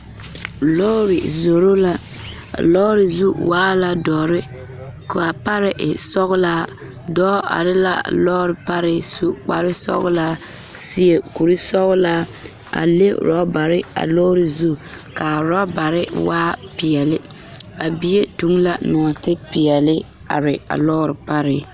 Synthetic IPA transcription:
lɔ˦ɾɪ˨zo˨ɾo˦la̰˦˨ | lɔː˦ɾɪ˨zu˦waː˦la˨dɔː˨ɾɪ˦ | kʊ˨a˨pa˦ɾɪ˨ʔɪ˨sɔ˦ɣʊ˦laː˦ | dɔː˦a̰˨ɾɪ˦la̰˦lɔː˦ɾɪ˨pa˦ɾɪ˦su˦k͡pa˨ɾɪ˦sɔ̰˦ɣʊ˦laː˦ | sɪ˦e˦ku˨ɾi˦sɔ˦ɣʊ˦laː˦ | a̰˨lḛ˦ɾɔ˦ba˨ɾɪ˦a̰˨lɔː˦ɾɪ˨zu˦ | ka˨ɾa˦ba˨ɾɪ˦waː˦pɪ˨ɛ˨lɪ˦ | ba˨bi˦e˦tu˦ŋla˦nɔ˨tɪ˦pɪ˨ɛ˨lɪ˦ | a̰˨ɾɪ˨a̰˨lɔ˦ɾɪ˨pa˦ɾɪ˦

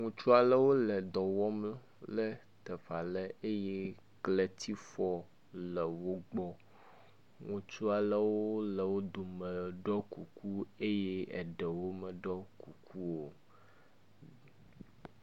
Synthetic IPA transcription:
ŋũ˨t͡ʃu˦a˨lə˦wo˦lə˨d̪ɔ˨wɔ˦m˦ | lə˦ | t̪ə˨fa˨lə˦e˦jɛ˦ | klɛ˨t̪ʰi˦fɔ˦ | lə˨wo˦ɡ͡bɔ˦ | ŋũ˨t͡ʃu˦a˨lə˦wo˦lə˨wo˦d̪o˨mə̃˨ɖɔ˦ku˨ku˦e˦je˦ɛ̰˨ɖɛ˨wo˦mə˨ɖɔ˦ku˨kʰu˦wo˨

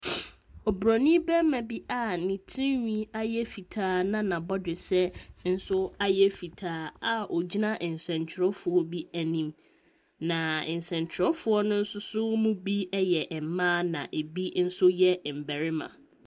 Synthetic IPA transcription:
ɔ˨bɾɔ˨nĩ˦bɛ˦mã˨bi˦ʔa˦nĩ˨tʰĩ˦wĩ˦a˦jɛ˦fi˨tʰaː˦nã˦nã˨bɔ˦dɪ˨sɛ˦n̩˦sʊ˦a˦jɛ˦fi˨tʰaː˦a˨ʔɔ˨d͡ʑi˦nã˦ʔɪ˨n˨sɛ̃˨ɲt͡ɕʰɪ˨ɾɔ˦fʊ˨ɔ˦bi˦æ˨nĩ˨m | nã˨ɪ̰˨n˨sɛ̃˨ɲ˨t͡ɕʰɪ˨ɾɔ˦fʊ˦ɔ˦nʊ̃˦n̩˦sʊ˦sʊ˦mũ˦bi˦ɛ˦jɛ˨ʔɛ˨m˦mãː˦nã̰˨ʔe˨bi˦n̩˦sʊ˦jɛ˦˨m̩˨bæ˨ɾɪ˦mã̰˨

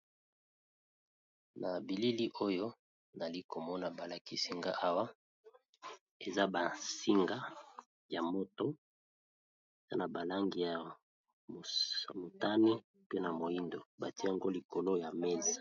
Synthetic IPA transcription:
na˨bi˨li˦li˦ʔo˦jo˦ | na˨li˦ko˨mɔ˦na˨ba˨la˨ki˦si˦ŋɡa˦ʔa˦wa˦ | e˨za˦ba˨si˦ŋɡa˦ | ja˨mo˦to˦ | e˨za̰˦na˨ba˨la˦ŋɡi˨ja˨ | mo˨mo˨ta˦ni˦ | pe˦na˨mo˨i˦ndo˨ba˨ti˦ja˦˨ŋɡo˦li˨ko˨lo˦ja˨me˦zḁ˨

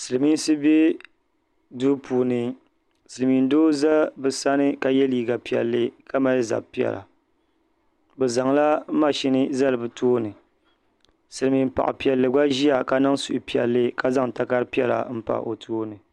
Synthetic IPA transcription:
sɨ˨lɨ˨mi˦n˦sɨ˦be˦ | du˦pʰuː˨nɨ˨ | sɨ˨lɨ˨mi˨n˦doː˦za˦bɨ˨sa˦nɨ˦ka˨jɛ˦liː˦ɡa˨pi˨ɛ̰˨lːɨ˦ka˦ma˦lɨ˦za̰˨pi˨ɛ̰˨la̰˨ | bɛ˨za˨ŋla˦ma˦ʃi˦nɨ˦za˦lɨ˨bɨ˨tʰoː˦nɨ˨ | sɨ˨lɨ˨mi˨m˦pa̰˨ʔɪ̰˨pi˨ɛ˨lːɨ˨ɡa˦ʒi˦a˨ka˦na˦ŋsu˨ʔpi˨ɛ̰˨lːɨ˦ka˦za˦ŋ˨ta˦ka˦ɾpi˦ɛ˦la̰˨m̩˦pa̰˨ʔo̰˨tʰoː˦nɨ˨

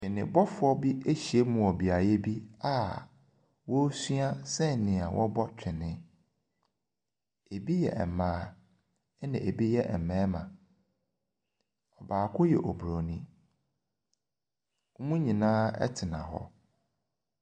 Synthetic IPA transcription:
t͡ɕᶣɪ̃˨nɪ̰̃˨bɔ˦fʊ˨˦ɔ˦bi˦e˦ɕi˨e˦mʊ̃˨ɔ˨bi˨a˨jɛ˦bi˦a˦ | wɔ˦su˦a˦sɛ˦˨nɪ̃˨a˨wʔɔ̰˦bɔ˦t͡ɕᶣʰɪ˨nɪ̃˦ | e˨bi˦jɛ̰˨ʔɛ̰˨mãː˨˦ | nɪ̃˨ʔe˨bi˦jɛ˦ʔɛ˨m˨mɛ̃ː˦mã̰˨ | ɔ˨baː˨kʰʊ˦jɛ̰˨ʔo˨bu˨ɾo˨nĩ˦ | mũ˦ɲĩ˨nãː˦ɛ̰˦tʰɪ˨nã̰˨ɦɔ̰˦

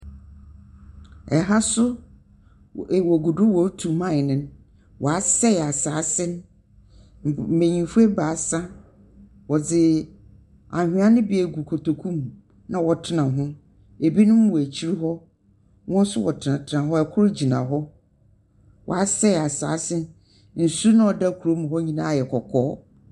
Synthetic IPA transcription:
ɛ˨ɦa˦sʊ˦˨ | wɔ˨ɡu˨dʊ˦wɔ˨˦tʰu˨mã˦˨nɪ̃˨n˦ | wʔɔ˨a˨sɛ˦˨a˨saː˨˦sɪ̃˦n˦˨ | mẽ˨ɲĩ˨fu˦e˦ba˨˦sã˦ | wɔ˨d͡zɪ˨ | a˨hᶣɪ˨˦ã˦nɪ̃˦bi˨˦e˨ɡu˨kʰo˨tʰo˨kʰũ˦˨m | nã˨wɔ˨tʰɪ˦nã˨ɦʊ̃˦ | e˨bi˦nʊ̃˦m˦wɔ˨æ˨t͡ɕʰi˦ɾi˦ɦɔ˦ | wɔ̃˦n˦sʊ˦wɔ˨tʰɪ˨nã˨tʰɪ˨nã˨ɦɔ˦ɛ˨kʰʊ˦ɾd͡ʑi˨nã̰˨ɦɔ˦ | wɔ̰˨a˦sɛ˦˨a˨sa̰ː˨˦sɪ̃˦n | n̩˨su˦nã˦ɔ˨da˦kʰu˨ɾo˦mũ˨hɔ˦ɲĩ˦nã˦˨jɛ˨kʰɔ˨kʰɔː˦

